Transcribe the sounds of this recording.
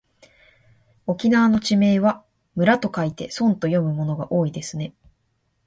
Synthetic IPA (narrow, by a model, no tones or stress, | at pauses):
o̞kʲinaβano̞t͡ɕime̞ːβa | mɯ̟ɾat̪o̞kait̪e̞sõ̞nt̪o̞jo̞mɯ̟mo̞no̞ɡaʔo̞ːid̪e̞sɨne̞